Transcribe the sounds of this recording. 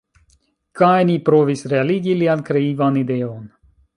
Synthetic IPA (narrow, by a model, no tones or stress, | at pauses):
kajnipɾo̞visɾealiɡiliankɾe̞ivanide̞o̞n